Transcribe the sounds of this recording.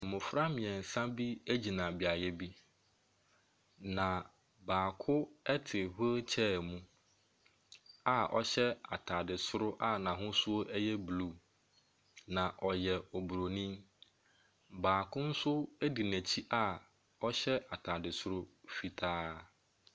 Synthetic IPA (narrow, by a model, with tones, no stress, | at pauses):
mʊ̃˨fɾa˦mɪ̃˨ɛ̃˨n̩˨sã˦bi˦e˦d͡ʑi˨nã˨bi˨a˨jɛ˦bi˦ | nã˨ | baː˨kʰʊ˦ɛ˦tʰɪ˨ɦʊ˦t͡ɕʰɛː˦˨mũ˦ | a˦ʔɔ̰˦ɕɛ˦a̰˨tʰaː˨dɪ˨sʊ˦ɾʊ˦ʔa˦nã˨ɦʊ̃˦sʊ˦o˦ʔɛ˦jɛ˦blu˦ | nã˨ʔɔ˨jɛ˨ɔ˨bu˨ɾo˨nĩ˦m | baː˨kʊ̃˦n̩˦sʊ˦ɛ˦di˨næ̃˨t͡ɕʰi˦ʔa˦˨ | ɔ˦ɕɛ˦a˨tʰaː˨dɪ˨sʊ˦ɾʊ˦fi˨tʰaː˦